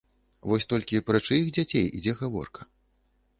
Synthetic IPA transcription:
vɔsʲt̪ɔlʲkʲipɾɐt͡ʂɨjixd͡zʲat͡sʲejḭd͡zʲɛɣavɔ̰rkɐ̥

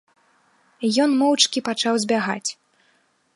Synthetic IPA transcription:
jɔnmɔwt͡ʂkʲipat͡ʂawzʲbʲaɣat͡sʲ

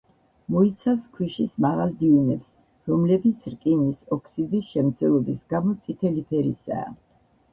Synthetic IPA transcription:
mɔit̪sʰafskʰwiʃismaʁalˠd̪iunɛps | ɾɔmlɛbit̪sʰɾkʼinisɔkʰsid̪isʃɛmt̪sʰɛlˠɔbisɡamɔt̪sʼit̪ʰɛlipʰɛɾḭsa̰ː

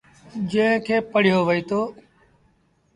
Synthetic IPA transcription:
d͡ʒẽːkʰeːpəɽ̤ɪjoːʋəiːt̪oː

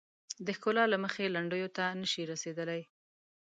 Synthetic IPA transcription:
d̪əxkolɑlaməxelaɳɖəjot̪anəʃiɾased̪əlaj

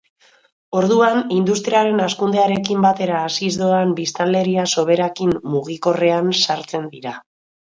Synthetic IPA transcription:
o̞ɾðuanind̪ust̪ɾiaɾe̞naskund̪e̞aɾe̞kimbat̪e̞ɾaːsizd̪oambist̪ale̞ɾiaso̞β̞e̞ɾakimːuɣ̞iko̞re̞ansaɾt͡se̞nd̪iɾa

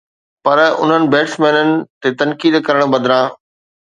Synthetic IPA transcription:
pɐɾʊ̰n̤ənɪ̆beːʈsmɛ̃ːnənɪ̆t̪et̪ɐnkiːd̪kɐɾəɽ̃̆bɐd̪ʱɪɾãː

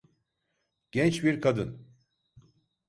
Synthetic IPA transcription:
ɟ̥ɛnt͡ʃbiɾkʰad̪ɯn

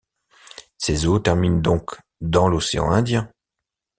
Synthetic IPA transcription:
sezot̪ɛʁmind̪ɔ̃k | d̪ɑ̃loseɑ̰̃ɛ̃d̪jɛ̃

